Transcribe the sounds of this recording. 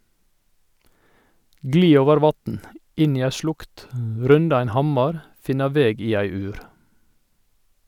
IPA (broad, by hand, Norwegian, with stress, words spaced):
ˈɡliː ˈoːʋəɾ ˈʋɑtn̩ ˈɪn ˈiː ˈæ ˈʃlʊkt ˈɾʉndɑ ˈɛn ˈhɑmɑɾ ˈfɪnɑ ˈʋeːɡ ˈiː ˈæɪ ˈʉːɾ